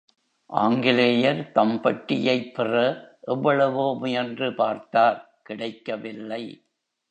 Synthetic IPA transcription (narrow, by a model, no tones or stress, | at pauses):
ʔa̰ːŋɡɪlejɐɾt̪ɐmpɐʈːɪjɐɪpːɪrɐʔɛʋːɐɭɐʋomʊjɐndrɯpaːɾt̪aːɾ | kɪɽɐɪkːɐʋɪlːɐɪ